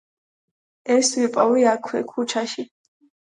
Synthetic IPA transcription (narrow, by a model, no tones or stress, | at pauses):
ɛswipʼawliakʰwɛ̰kʰut͡ʃʰaʃi